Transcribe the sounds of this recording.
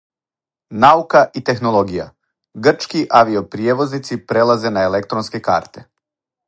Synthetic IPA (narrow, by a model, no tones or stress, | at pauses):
naukaʔit̪e̞xno̞lˠo̞ɡija̰ | ɡr̩t͡ʃkiʔaʋio̞pɾijeʋo̞znit̪sipɾe̞lˠaze̞naelek̚t̪ɾonske̞ka̰ːɾt̪e̞